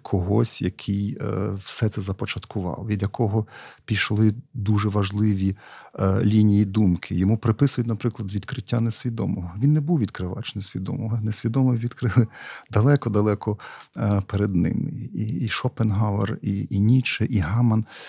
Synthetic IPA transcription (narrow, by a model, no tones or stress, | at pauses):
kʰɔɦɔsʲjɐkʰijwsɛt̪sɛzɐpɔt͡ʃɐt̪kʰʊʋɑ̰lˠɔʋʲid̪jɐkʰɔɦɔpʲiʃlˠɪd̪uʒɛʋɐʒlˠɪʋʲi | lʲinʲijid̪umkʰɪjɔmupɾɪpɪsʊjʊtʲnɐpɾɪklˠɐd̪ʋʲid̪kɾɪtʲːanesʲʋʲid̪ɔ̰mɔɦɔʋʲinːɛbuwʋʲid̪kɾɪʋɑ̰t͡ʃnesʲʋʲid̪ɔ̰mɔɦɔnesʲʋʲid̪ɔmɪʋʲid̪kɾɪlˠɪd̪ɐlˠɛkɔd̪ɐlˠɛkɔ | pɛɾed̪nɪ̰miːʃɔpenɦɑʋɐ̰rinʲit͡ʃɛʔiɦɑmɐn